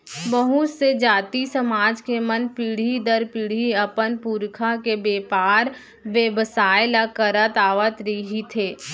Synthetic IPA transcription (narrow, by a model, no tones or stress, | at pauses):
bəɦʊt̪sed͡ʒaːt̪isəmaːd͡ʒkemənpiɽ̤id̪əɾpiːɽ̤iəpənpuːɾkʰakebeːpaːɾ | ʋjeʋəsaːjlakəɾət̪aːʋət̪ɾiɦit̪ʰeː